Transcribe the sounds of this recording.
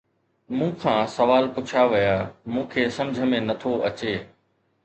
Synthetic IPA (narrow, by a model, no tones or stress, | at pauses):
mũːkʰãːsɐʋaːlpʊt͡ɕʰaʋɪjamũːkʰeːsɐ̃md͡ʑʱəmẽnɐt̪ʰoʔɐt͡ɕeː